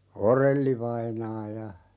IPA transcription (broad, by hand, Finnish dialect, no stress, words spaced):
orelːiʋɑinɑː jɑ